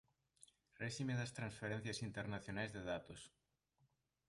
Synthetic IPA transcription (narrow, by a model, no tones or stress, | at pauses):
reʃimeðast̪ɾãnsfeɾẽn̟θjasint̪eɾnaθjonajzðeðat̪os